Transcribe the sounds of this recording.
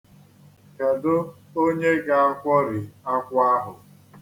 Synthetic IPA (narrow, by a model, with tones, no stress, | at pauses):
ka˨dʊ˦ | o˦ɲe˦ɡa˦a˦kʷɔ˦ɾɪ˨a˦kʷa˦ɦʊ˨